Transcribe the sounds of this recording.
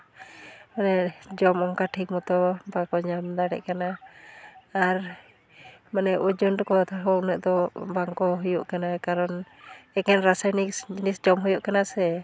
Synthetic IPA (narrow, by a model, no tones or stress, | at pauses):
manɛd͡ʒɔmɔŋkaʈʰik̚mɔt̪ɔbakɔɲamd̪aɽɛ̰ʔkanaː | ɾ | manɛʔud͡ʒund̪ɔkɔt̪aɦɔʔnəʔd̪ɔbaŋkɔɦujuʔkanakaɾɔn | ɛkɛnɾasanisd͡ʒinisd͡ʒɔmɦujuʔkanasɛ